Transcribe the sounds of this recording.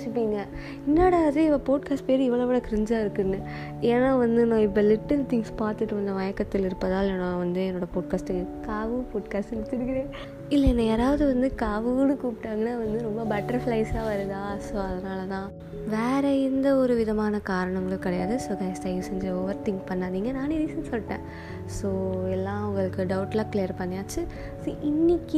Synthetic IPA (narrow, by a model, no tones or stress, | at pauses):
t͡ʃɯpːiːŋɡɐ | ɪnːoːɽɐɐðɯɪʋɐpoːʈ̚kaːsʈ̚peːɾɪʋːɐɭoʋɪːɭɐkɪɾɪɲd͡ʒaːɪɾɯkːɯnːɯ | eːnːaːʋɐnd̪ɯnãːɪp̬ːɐlɪʈːɪlt̪ɪŋɡspaːɾt̪ɯʈːɯʋɐnd̪ɐʋɐjɐkːɐt̪ːɪlɪɾɯpːɐðaːlɛnːɐ̃ʋɐnd̪ɯɛnːoːɽɐpoːʈ̚kaːsʈɯkːkaːʋɯpoːʈkaːsʈɪɭɯt̪ːɪɾɯkɪɽeː | ɪlːɐɛnːɐeːɾaːʋɐðɯʋɐnd̪ɯkaːʋɯnɯ̃kuːpɪʈːaːŋɡɐnːaːʋɐnd̪ɯɾɔmbɐbɐʈːɐɾflɐɪsaːʋɐɾɯðaːsoːɐðɐnaːlɐt̪ãː | ʋeːɾɐɪnd̪ɐɔɾɯʋɪðɐmaːnɐkaːɾɐɳɐŋɡɐɭɯkɪɽɐjaːðɯsoːɡɐɪsʈɐɪʋsɛɲd͡ʒɐoʋɐɾt̪ɪŋkpɐɳːaːd̪iːŋɡɐnaːneðisɐnsɔlːʈːḛ̃ː | soːɛlːãːʊŋɡɐɭɯkːɯɖɐʊʈlaːklejɐɾpɐɳːɪjaːt͡ʃːɯ | soːʔɪnːɪkːɯ